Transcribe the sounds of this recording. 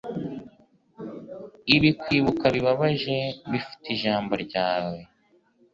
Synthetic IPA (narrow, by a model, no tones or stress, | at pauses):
iβikwiːβukaβiβaβaʒe̞βifi̥tiʒaːmboɾɟaːwe̞